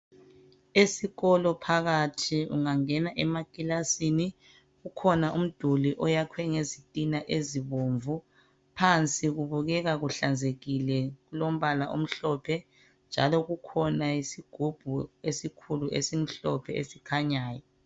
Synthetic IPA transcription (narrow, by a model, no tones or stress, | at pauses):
esiɣɔlɔpʰaɣatʰiṵŋaŋɛnaʔɛmakʼilasini | ɣukʰɔnaʔum̩d̥ʱuliʔɔjakʰwɛŋezitʼinaʔeziβoːɱvu | pʰant͡sʼiɣuβuɣɛɣaɣuɬand͡zʱeɣilɛɣulom̩βalaʔom̩ɬɔpʰɛ | nd͡ʒʱa̰lɔɣukʰɔnaisiɡ̥ʱub̥ʱuesikʰuluʔḛsim̩ɬɔpʰɛḛsikʰaɲaːjɔ